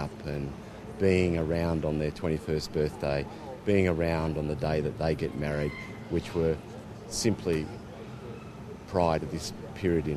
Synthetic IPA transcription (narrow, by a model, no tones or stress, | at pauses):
pʰɨ̃n | biɪ̃ŋə˞ãʊ̃ndn̩ðə˞tʰw̥ɛ̃ɾ̃ifɜ˞s̚b̥ɜ˞θd̥eɪ | b̥iɪ̃ŋə˞ãʊ̃ndn̩ðɨdeɪðɨt̪̚ðeɪɡɛt̚mɛɹid̚ | wɨt͡ʃwə˞ | sɪ̃mpʰli | pʰɹ̥aɪɾʌvðɪs | pʰɪɹiɨɾɨ̃